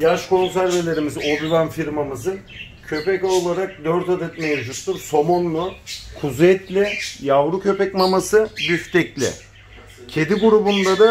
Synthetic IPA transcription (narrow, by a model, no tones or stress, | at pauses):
jaʃko̞ns̬æɾve̞lʲe̞ɾimizob̪ivanfiɾmamɯzɯn | cʰø̞pɛcolˠaɾak̚d̪øɾt̪ad̪ɛt̪mejd͡ʒut̪ːuɾso̞monːˠukʰuzɛt̪lʲɪjavɾucʰø̞pɛcmamasɯbyft̪ʰɛclʲɪ̰ | cʰe̞d̪iɡuɾubund̪ad̪a